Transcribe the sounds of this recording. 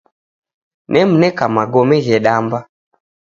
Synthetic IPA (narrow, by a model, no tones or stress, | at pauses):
nɛm̩nɛkamaɡɔmɛɣɛɗamba